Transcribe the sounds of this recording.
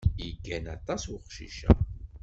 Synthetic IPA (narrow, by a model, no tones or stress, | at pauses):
iɡːænɑt̪ˤːɑsuχʃḭʃæ